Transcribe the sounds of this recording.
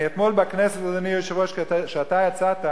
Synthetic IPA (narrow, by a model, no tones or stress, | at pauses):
et̪molbaknesetad̪anijoʃevoʃʃeat̪ajat͡sat̪a